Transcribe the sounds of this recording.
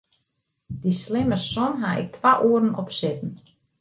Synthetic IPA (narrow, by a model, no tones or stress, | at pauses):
d̥islɪməsɔnɦaʔɪ̰k̚tʰʋaʔuəɾən̩ɔpsɪtn̩